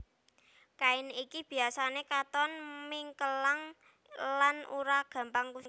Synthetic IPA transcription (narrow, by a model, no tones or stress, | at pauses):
kainikib̥i̤asanekat̪ɔnmiŋkəlaŋ | lanṵɾaɡ̥ä̤mpaŋku